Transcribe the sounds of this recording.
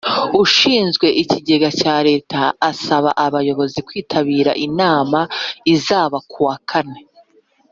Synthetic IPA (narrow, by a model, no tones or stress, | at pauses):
uʃiːnzɡwe̞ʔiciɟe̞ɡacaːɾe̞ːtaːsaβa̰ʔaβajo̞βo̞zikwiːtʰaβiːɾa̰ʔinaːmaizaːβakuwakʰane̞